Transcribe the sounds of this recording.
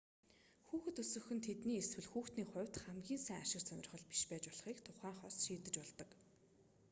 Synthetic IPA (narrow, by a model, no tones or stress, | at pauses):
xuːxɘ̆t̪ɵsɵ̆xɵ̆nt̪ʰet̪niːeswɘ̆ɮxuːxt̪niːχʊ̟wʲt̪χæmɡʲiːnsæːŋaʃɪ̆rsœnʲɪ̆rχɞ̆ɮpi̥ʃpæːt͡ɕpɔɮ̆χiːkt̪ʰʊχæːŋχɔsʃiːt̪ɘ̆t͡ɕpɔɮt̪ə̆k